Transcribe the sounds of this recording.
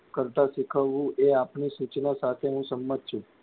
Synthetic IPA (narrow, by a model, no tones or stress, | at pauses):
kəɾt̪aʃikʰəʋːũʔeapnisut͡ʃnasat̪ʰeɦũsəmːət̪̚t͡ʃʰũ